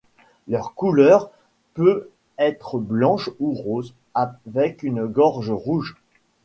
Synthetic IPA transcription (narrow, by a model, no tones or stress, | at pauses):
lœʁkulœʁ | pø | ɛt̪χəblɑ̃ʃuʁoz | avɛkynɡɔʁʒʁuʒ